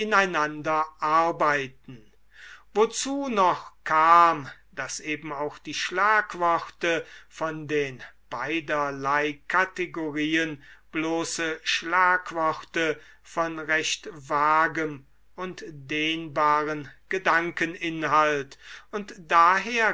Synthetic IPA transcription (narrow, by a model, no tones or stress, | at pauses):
ʔɪnaɪnandɐʔaɐbaɪtn̩ | vot͡suːnɔχkʰaːm | d̥asʔeːbm̩aʊxd̥iːʃlaːkv̥ɔʁtəfɔndeːnb̥aɪdɐlaɪkʰateɡoʁiːənb̥loːsəʃlaːkv̥ɔʁtə | fɔnʁɛʃtvaːɡəm | ʔʊntd̥eːnbaːʁənɡ̥ədaŋkənʔɪnɦaltʊntd̥aːɦeːɐ